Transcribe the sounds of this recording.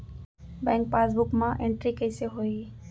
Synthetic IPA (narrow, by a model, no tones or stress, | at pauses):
bɛ̃ŋk̚pasbʊkmãʔeɳʈɾikəjseɦoi